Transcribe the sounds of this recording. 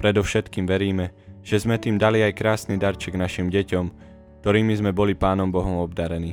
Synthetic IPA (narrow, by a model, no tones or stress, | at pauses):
pɾɛd̪ɔʊʃɛt̪kiːmʋɛɾiːmɛʒ̥ɛzmɛt̪iːmd̪aliajkɾaːsnid̪aɾt͡ʃɛɡnaʃimɟɛcɔm | kt̪ɔɾiːmizmɛbɔlipaːnɔmbɔɦɔmɔbd̪aɾɛniː